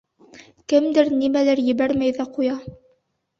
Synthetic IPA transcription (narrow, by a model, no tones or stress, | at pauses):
kɘmd̪ɘɾnimælæɾjɘ̆βæɾmæjðæqujɑ